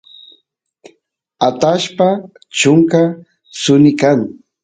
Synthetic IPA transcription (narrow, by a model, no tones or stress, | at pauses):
at̪aʃpa | t͡ʃʊŋka | sʊnɪkaŋ